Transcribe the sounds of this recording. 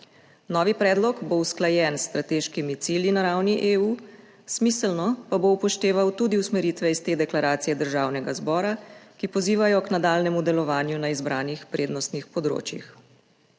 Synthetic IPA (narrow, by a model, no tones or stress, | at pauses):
nɔʋipɾɛːd̪lɔkbowsklajɛnsːt̪ɾat̪eːʃkimit̪siːljinaɾawniʔeːuː | smiːsəlnɔpaboupɔʃt̪eːʋawt̪ud̪iusmɛɾiːt̪ʋɛist̪eːd̪ɛklaɾaːt̪sijɛd̪əɾʒaːwnɛɡazbɔːɾakipɔziːʋajɔknad̪aːlnɛmud̪ɛlɔʋaːnjunaizbɾaːnixpɾʔeːd̪nɔst̪nixpɔd̪ɾo̰ːt͡ʃjḭx